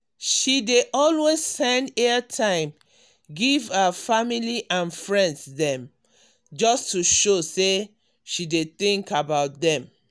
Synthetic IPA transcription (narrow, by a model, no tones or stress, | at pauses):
ʃideʔɔlwez̥sɛ̃ndɛətʰãɪ̃m | ɡivafamiliʔãnfɹɛ̃ndsðɛ̃m | d͡ʒɔstʰuʃose | ʃideθĩŋkabaʊt̚dɛ̃m